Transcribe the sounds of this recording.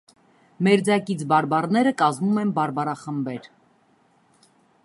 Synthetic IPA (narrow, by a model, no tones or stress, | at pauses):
mɛɾd͡zɑkit͡sʰbɑɾbɑrnɛɾəkɑzmumɛnbɑɾbɑɾɑχəmbɛɾ